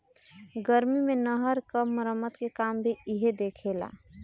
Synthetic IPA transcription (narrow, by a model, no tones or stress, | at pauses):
ɡəɾmimenəɦəɾkəmːəɾəmːət̪kekambʱeiɦed̪ekʰela̰